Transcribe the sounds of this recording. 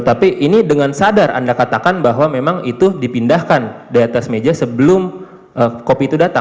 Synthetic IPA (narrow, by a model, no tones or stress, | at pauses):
t̪apiʔinidəŋansadara̰ndakat̪akanbaɦwamemaŋit̪udipindahkandaɾiat̪asmed͡ʒasəbəlʊm | ʔəkopiit̪udat̪a̰